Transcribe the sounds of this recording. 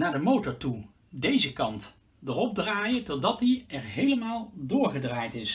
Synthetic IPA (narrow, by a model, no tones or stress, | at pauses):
naːɹdəmowtɔɹtu | dejzəkɑnt | dərɔb̚draːjətɔdɑtdiɛɹɦejləmaːlˠdʊːɹχədraːjtɪs